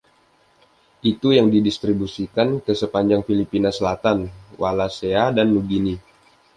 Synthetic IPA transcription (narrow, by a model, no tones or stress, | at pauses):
ʔit̪ujaŋdidist̪ɾibusikankəsəpaɲd͡ʒaŋfilipinasəlat̪anwalaseadanːuɡini